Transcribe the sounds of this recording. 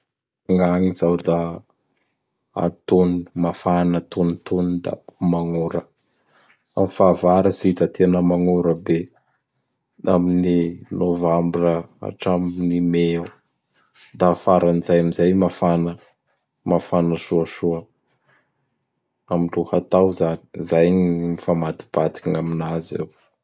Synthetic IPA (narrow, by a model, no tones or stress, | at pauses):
ŋaŋizawd̪a | a̰t̪unumafanat̪unit̪unud̪a̰maŋuɾə | a̰mifavaɾəzid̪at̪ʰenəmaŋuɾəbe | amininovambɾəa̰ʈ͡ʂamnimeu | d̪afaɾanizajamizajmafanə | mafanəsuəʃuə | amiluhat̪awzani̥zajmifamad̪i̥b̥ad̪ikŋaminazḛw